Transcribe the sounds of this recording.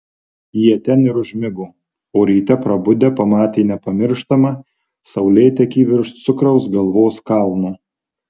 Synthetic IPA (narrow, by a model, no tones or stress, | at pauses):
jiɛt̪ʲɛnɪɾʊʒʲmʲɪɡʊ | oːɾʲiːt̪ʲɛpɾɐbʊd̪ʲɛpɐmɑːt̪ʲeːnʲɛpɐmʲɪɾʃt̪ɐmɐ | sɐʊlʲɛːt̪ʲɛkʲiːʋʲɪɾʃt̪sʊkɾɐʊsɡɐlˠʋoːskɑlˠnoː